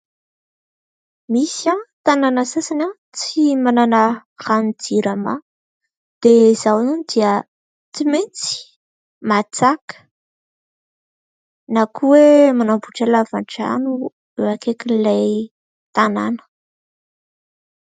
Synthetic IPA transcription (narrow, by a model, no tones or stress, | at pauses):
misat̪ananəsasana | t͡simananəχanid͡ziɾama̰ | d̪̥ezawnunid̪iə | t͡simint͡si̥ | mat͡sakə̥ | nakʰuwemanambuʈ͡ʂalava̰ɳʈ͡ʂa̰nu | eakekinilaj | t̪ana̰nə̥